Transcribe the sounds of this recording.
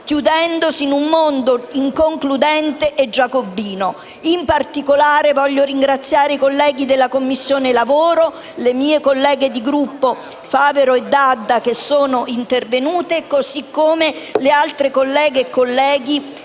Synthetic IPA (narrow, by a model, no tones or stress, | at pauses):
kjud̪ɛnd̪osinumːond̪oiŋkoŋklud̪ɛnt̪eʔːd͡ʒːakobːiːno | impart̪ikolaːɾevɔʎːoɾiŋɡɾat̪sːjaːɾeikolːɛːɡid̪elːakomːisːjoːnelavoːɾo | lemiːekolːɛːɡed̪iɡɾupːo | faːveɾoed̪ːad̪ːak̟esːoːnoint̪ervenuːt̪ekosikːomelealt̪ɾekolːɛːɡeːkːolːɛːɡi